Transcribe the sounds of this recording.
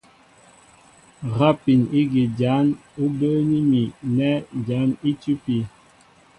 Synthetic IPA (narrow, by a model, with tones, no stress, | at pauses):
ɣa˦pi˨ni˦ɡi˨d͡ʒa˨˦nu˦bə˦ni˦mi˨nɛ˦d͡ʒa˨˦ni˦tu˦pi˨